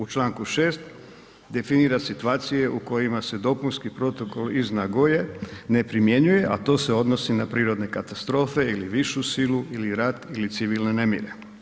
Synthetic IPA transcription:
ut͡ʃlaːŋkuʃe̞ːst̪ | d̪e̞finiːɾasit̪uaːt̪sije̞ʔuko̞jimase̞d̪o̞punskipɾo̞t̪o̞koliznaɡoje̞ne̞pɾimje̞ɲuje̞ʔat̪o̞ːse̞o̞d̪no̞sinapɾiːɾo̞d̪ne̞kat̪ast̪ɾo̞ːfe̞iliʋiʃusiluiliɾat̪ilit̪siʋilne̞ne̞mjḭɾe̞

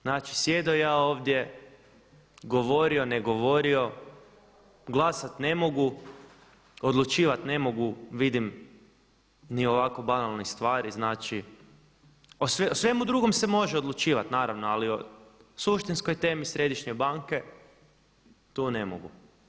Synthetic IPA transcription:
znaːt͡ʃi̥sje̞d̪ojaːoːʋd̪je | ɡo̞ʋo̞ɾio̞neɡo̞ʋo̞ɾio̞ | ɡlˠasat̪ne̞mo̞ɡu | od̪lˠut͡ʃiːʋat̪ne̞mo̞ɡuʋid̪im | nio̞ʋakobanalˠnist̪ʋaːɾiznaːt͡ʃi | osʋeosʋe̞mud̪ɾuɡo̞msemo̞ʒeod̪lˠut͡ʃiːʋat̪naːɾaʋnoaliosuʃt̪insko̞jt̪e̞ːmisɾe̞d̪iʃɲebaŋke̞ | t̪unemo̰ɡu

